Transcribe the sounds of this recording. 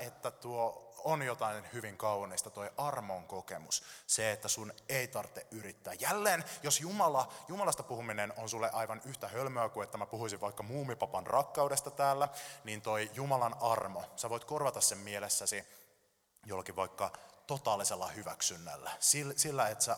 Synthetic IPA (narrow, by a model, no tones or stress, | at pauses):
et̪ːæt̪uoonjot̪ɑinhyʋiŋkɑuniːst̪ɑt̪o̞jʔɑrmoŋko̞kemusseet̪ːæsuneit̪ɑrt̪ːeʔʔyɾit̪ːæːjjælːeːnjosjumɑlɑjumɑlɑst̪ɑpuhuminenonsulːeʔɑjʋɑnyht̪æhølmøːkuet̪ːæmæpuhuisiʋʋɑikːɑmuːmipɑpɑnrɑkːɑuwdest̪ɑt̪æːlːæniːnt̪o̞ijumɑlɑnɑrmosæʋo̞jt̪korʋɑt̪ɑssemmielesːæsi | jolːɑkiʋʋɑikːɑt̪ot̪ɑːlːiselːɑhyʋæksynːæ̰lːæsilsilːæet̪sæ